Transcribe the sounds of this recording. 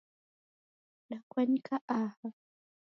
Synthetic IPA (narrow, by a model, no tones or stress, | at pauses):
ɗakwaɲikʰaʔaha